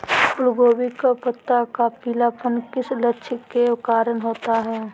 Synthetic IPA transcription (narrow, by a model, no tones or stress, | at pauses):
ʊlɡoːbikapət̪ːakapiːlapənkɪsləʃʰɪkːekaːɾənɦoːt̪aɦɛː